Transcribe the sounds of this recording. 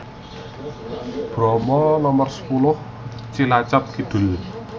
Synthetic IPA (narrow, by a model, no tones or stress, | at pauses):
b̥ɾɔmɔnɔmɔrsə̥pulʊh | t͡ʃilat͡ʃap̚kid̪̥ʊ̤l